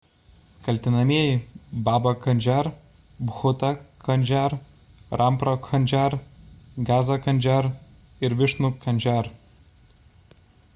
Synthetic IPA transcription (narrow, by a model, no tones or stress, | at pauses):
kɐlʲt̪ʲɪnɐmʲiɛjɪbɑːbɐkɐnʲd͡ʒʲæɾ | bɣʊt̪ɐkʰɐnʲd͡ʒʲæɾ | ɾʔɑmpɾokʰɐnʲd͡ʒʲæɾɡɑːzɐkɐnʲd͡ʒʲæɾ | ɪɾʋʲɪʃnukʰɐnʲd͡ʒʲæɾ